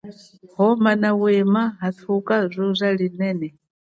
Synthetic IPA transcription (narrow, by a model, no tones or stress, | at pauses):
ɦɔmanawɛmaɦat̪ʰukʼazʷɔzʷaɺinɛːnɛ